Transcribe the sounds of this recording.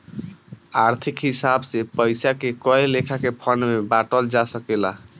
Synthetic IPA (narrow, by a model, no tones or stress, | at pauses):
aɾt̪ʰikɦisabsepəjsakekɔjlekʰakepʰənmebaʈəld͡ʒasəkela